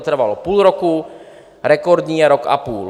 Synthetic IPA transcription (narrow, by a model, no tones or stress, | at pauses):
t̪r̩ʋalɔpuːlɾɔku | ɾɛkɔɾd̪ɲiɛɾɔka̰puːl